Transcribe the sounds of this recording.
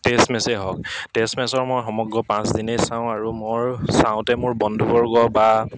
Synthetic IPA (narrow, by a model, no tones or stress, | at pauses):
testmɛseɦɔktestmɛsɔɹmɔjxɔmɔɡɹɔpãsdinesãʊ̃aɹumoɹsãʊ̃tɛmʊɹbɔndʱubɔɹɡɔba